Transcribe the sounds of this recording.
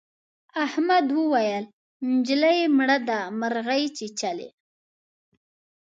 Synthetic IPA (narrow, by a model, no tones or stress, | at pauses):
ahmad̪wəwajəl | nd͡ʒlajemɽad̪amaɾɣajt͡ʃet͡ʃalḛ